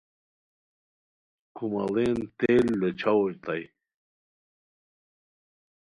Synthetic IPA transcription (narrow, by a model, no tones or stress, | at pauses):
kʰuma̰lent̪elːet͡ɕʰawoɾt̪aj